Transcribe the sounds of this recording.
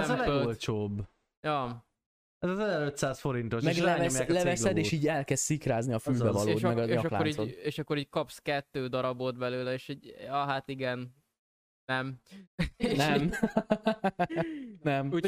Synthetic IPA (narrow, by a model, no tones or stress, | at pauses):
zɒlɛɡolt͡ʃoːbː | jɒ | ɛzɒzɛzɛɾøt̪saːsfo̞ɾint̪oʃmɛɡlɛvɛlɛvɛsɛd̪eːʃiːɟɛlkɛzt̪sikɾaːzniɒfylbɛvɒlːʃmɛɡɒeɒʃkla̰ːoɾioeːʃɒkːoɾiːckɒpskɛt̪ːøːd̪ɒɾɒbod̪bɛløːlɛeːʃiɟɒɦat̪iɡɛn | nɛm | nɛm | nɛmu